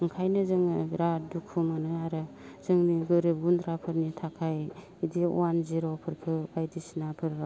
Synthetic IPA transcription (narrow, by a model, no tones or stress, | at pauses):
ɯŋkʰajnɯzɯŋɾadukʰːumanɯaɾɯz̥ɯŋniɡɯɾɯb̚ɡund̪ɾapʰɯɾnitʰakʰaj | idḭanziɾɔpʰɯɾkʰɯbajdisinapʰɯɾa